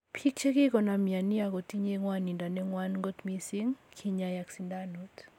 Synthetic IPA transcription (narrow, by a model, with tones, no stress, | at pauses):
pʰi˦k̚t͡ʃe˦ki˦kɔ˨na˨mi˨a˨ni˦a˨ko˨ti˦ɲeŋwani˨nda˨nɛ˦ŋwanŋɡo˦t̪mi˦si˦ŋkʰiɲaja˨ksindanut